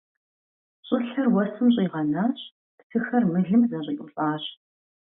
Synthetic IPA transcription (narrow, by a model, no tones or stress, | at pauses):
ɕʼɪɬɐrwɔsɨmɕ̬ʼiːʁɐnaːɕ | ptʰɨxɐrmɨɮɨmzɐɕʼiʔʼʊɕʼaːɕ